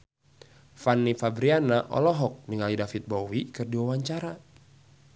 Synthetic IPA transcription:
fanːifabɾianaʔɔ̰lɔɦɔk̚niŋalidafit̪̚bowikɨrdiwawaɲt͡ʃaɾa

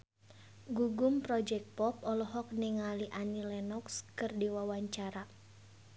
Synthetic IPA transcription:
ɡuɡumpɾɔd͡ʒɛk̚pɔpɔlɔɦɔk̚niŋaliʔanilɛnɔkskɨrdiwawaɲt͡ʃaɾa

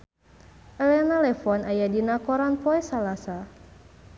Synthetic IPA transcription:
ʔəlɛnalɛfɔnajadinakɔɾanpɔɛsalasa

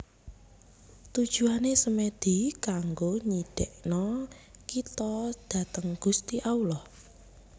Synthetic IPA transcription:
t̪ud̥ʒ̥uanesəmed̪̥i̤kaŋɡoɲiɖ̥ɛʔnɔkit̪ɔd̥ä̤t̪əŋɡ̥ust̪iʔaulɔh

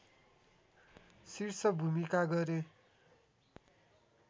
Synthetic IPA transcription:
sirsʌbʱumikaɡʌɾe

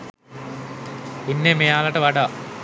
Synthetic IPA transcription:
inːeːmejaːlɐʈɐʋaːʈa

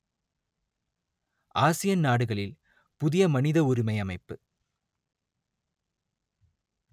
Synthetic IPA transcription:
ʔaːsɪjɐnnaːɽɯɣɐɭɪl | pʊðɪjɐmɐnɪðɐʊɾɪmɐjɐmɐɪpːɯ

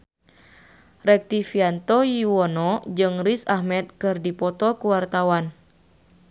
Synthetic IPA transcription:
rɛk̚t̪ifiant̪ɔjuwɔnɔd͡ʒɨŋrisahmɛt̪̚kɨrdipɔt̪ɔkuwart̪awan

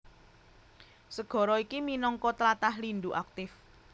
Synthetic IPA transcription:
səɡ̥ɔ̤ɾɔikiminɔŋkɔt̪əlat̪ahlind̪uʔak̚t̪ɪf

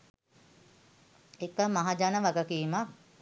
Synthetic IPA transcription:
ekəmaɦad͡ʒanəʋaɡəkiːmak

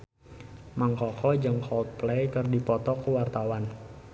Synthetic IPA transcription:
maŋkɔkɔd͡ʒəŋkʰɔlt̪̚plejkərdipɔt̪ɔkəwart̪awan

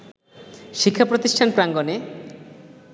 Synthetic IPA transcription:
ʃikʰːapɾot̪iʃʈʰanpɾaŋɡone

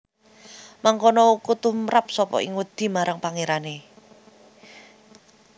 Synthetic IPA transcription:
maŋkonɔukut̪umɾap̚sɔpɔ̰ʔɪ̰ŋwud̪̥i̤maɾaŋpaŋeɾane

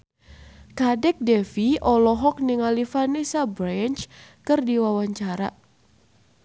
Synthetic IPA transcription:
kadɛk̚dɛfiɔlɔɦɔk̚niŋalifanisabɾɛnt͡ʃkɨrdiwawaɲt͡ʃaɾa̰

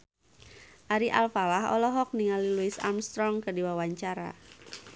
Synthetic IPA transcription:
ʔaɾiʔalfalaɦɔ̰lɔɦɔk̚niŋaliluɪsa̰mst̪ɾɔŋkərdiwawaɲt͡ʃaɾa̰

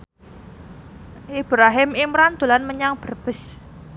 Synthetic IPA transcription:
ib̥ɾaɦɪmimɾand̪̥ulanməɲaŋb̥ərb̥əs

